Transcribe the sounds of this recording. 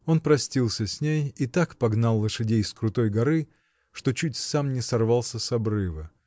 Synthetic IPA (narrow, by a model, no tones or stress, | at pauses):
o̞npɾɐsʲtʲilˠsʲəsʲnʲejit̪akpɐɡnalˠːəʂɨdʲejskɾʊt̪o̞jɡɐɾɨ | ʂt̪o̞t͡ɕutʲsamnʲɪsɐrvɑlˠsʲəsɐbɾɨvə